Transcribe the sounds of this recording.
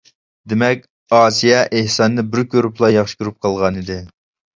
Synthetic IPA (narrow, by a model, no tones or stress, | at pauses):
d̪emɛk̚ʲ | ɑːsijɛʔehsɑnːɨbɪɾkʲøɾuplˠɑjɑχʃɪ̥kʲyɾyp̚qʰɑlˠʁɑnid̪ɪ